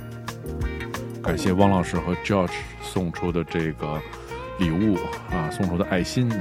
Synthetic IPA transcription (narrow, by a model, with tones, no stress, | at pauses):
ka˨˩nɕjɛ˥˧wɑ˥ŋlɑ˨˩ʊʂɻ̩˥˩xɤ˧˥ʈ͡ʂjɔ˥˩ʈ͡ʂ | sʊ˥˩ŋʈ͡ʂʰu˥d̪ə˨ʈ͡ʂɤ˥˩ɡə˩ | li˨˩u˥˩ɐ˧sʊ˥˧ŋʈ͡ʂʰu˥d̪ə˧ʔa˥˩ɪɕi˥n